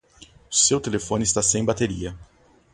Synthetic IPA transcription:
ʊ̥sewt̪elefõnɪst̪asẽj̃bat̪eɾiɐ

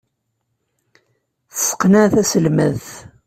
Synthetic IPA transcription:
θəsə̥qːnaθæsəlməðθ

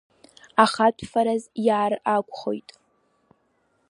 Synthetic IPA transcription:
aχatʷʰʼfaɾazjaːrakʷʼχo̞̰jtʼ

